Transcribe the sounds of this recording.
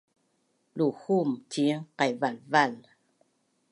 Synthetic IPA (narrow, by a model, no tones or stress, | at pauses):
luhumtiŋqajvalval